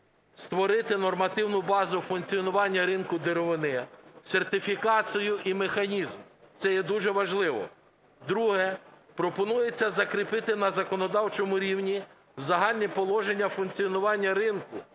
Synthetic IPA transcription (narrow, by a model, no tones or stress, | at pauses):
st̪ʋɔɾɪt̪ɪnɔrmɐt̪ɪwnʊbɑzʊfʊnkt͡sʲijɔnʊʋɑnʲːɐɾɪnkʊd̪eɾɔʋɪnɪsʲert̪ɪfʲikɑt͡sʲijʊʔimexɐnʲizmt̪sɛjɛd̪uʒɛʋɐʒlˠɪʋɔ̰ | d̪ɾuɦɛ | pɾɔpɔnujet͡sʲːɐzɐkɾɪpɪt̪ɪnɐzɐkɔnɔd̪ɑwt͡ʃɔmʊɾʲiwnʲi | zɐɦɑlʲnʲipɔlˠɔʒe̞nʲːɐfʊnkt͡sʲiɔnʊʋɑnʲːɐɾɪnkʊ